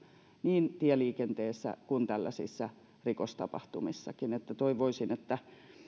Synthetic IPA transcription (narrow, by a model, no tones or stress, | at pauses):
niːnt̪iɛliːkent̪eːsːæ̰kunt̪ælːæ̰sḭsːæ | rikost̪ɑ̰pɑ̰ht̪umisːɑkinet̪ːæt̪oiʋoisinet̪ːæ